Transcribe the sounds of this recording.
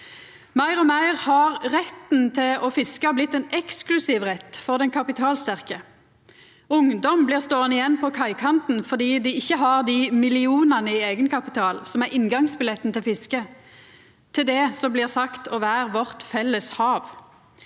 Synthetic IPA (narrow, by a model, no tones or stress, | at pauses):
mæɪʁɔmæɪʁhɑʁʁɛt̪n̩t̪ʰɪlɔfɪskɑblɪt̪ːɛnɛksklʉsiːʋʁɛt̪ːfɔʁd̪ɛnkʰɑpɪt̪ʰɑːlst̪æʁkə | ʊŋd̪ɔmbliːʁst̪oːənɪjɛnːpʰɔkʰɑɪkʰɑnt̪n̩fɔʁd̪iːd̪ɪɪçːəɦɑʁd̪imɪlɪuːnənəɪeːɡənkʰɑpɪt̪ʰɑːlsɔmæʁɪnɡɑŋsbɪlɛt̪ːənt̪ɪlfɪskə | t̪ʰɪld̪ɛsɔmbliːʁsɑkt̪ʰɔʋæːʁʋɔʁt̪fɛlːəshɑːʋ